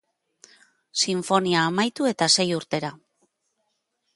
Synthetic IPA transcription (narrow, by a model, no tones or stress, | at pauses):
siɱfo̞niaːmajt̪ue̞t̪ase̞juɾt̪e̞ɾa